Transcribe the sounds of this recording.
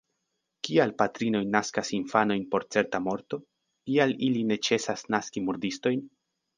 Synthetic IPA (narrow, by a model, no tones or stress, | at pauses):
kialpatɾino̞jnaskasinfano̞jnpo̞ɾt͡se̞ɾtamo̞ɾto̞ | kialiline̞t͡ʃe̞sasnaskimuɾdisto̞jn